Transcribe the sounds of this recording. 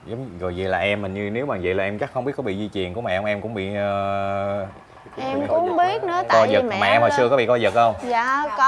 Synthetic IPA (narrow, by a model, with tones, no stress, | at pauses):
zə˨˦wŋ͡mɣo˨˩jzə̰˧˨jlaː˨˩ʔɛ˧mːï˨˩ɲɨ˧ne˨˦wɓaː˨˩zə̰˧˨jlaː˨˩ʔɛ˧mt͡ɕa˦˥k̚xə˧wŋ͡mɓi˦˥ət̚kɔ˨˧˦ɓḭ˧˨zi˧t͡ɕwi˨˩ənku˧˦ma˨˩ʔɛ˧wŋ͡mʔɛ˧mkʊ̰˧˥ŋ͡mɓḭ˧˨əː˨˧ | ɛ˧mkʊ˨˧˥ŋ͡mɓi˦˥ət̚nɨ̰˧˨˦ə˧ɔ˧zə˨˩k̚maː˨˩ʔɛ˧mhɔ˨˩jsɨ˧əkɔ˨˦ɓḭ˧˨kɔ˧zə˨˩t̚ʔə˧wŋ͡mzaː˧˨k